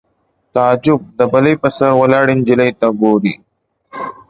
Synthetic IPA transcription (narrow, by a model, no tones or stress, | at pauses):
t̪aːd͡ʒʊb̚d̪əbɐlejpəsɐɾwɐlaːɽind͡ʒilejt̪aɡoːɾḭ